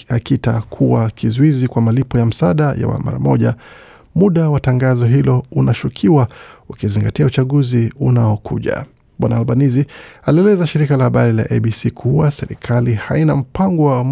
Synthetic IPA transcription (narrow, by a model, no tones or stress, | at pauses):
akitakʰuwakʰizuizikwamalipɔjam̩saɗaja̰wa̰ma̰ɾa̰mɔʄa | muɗawataŋɡazɔɦilɔunaʃukʰiwaukiziŋɡatiaut͡ʃaɠuziunaɔkʰṵʄa̰ | ɓwanaːlɓanizialiɛlɛzaʃiɾikalahaɓaɾila̰ʔɛɓisikʰuwasɛɾḭkʰalihainam̩paŋɡɔwa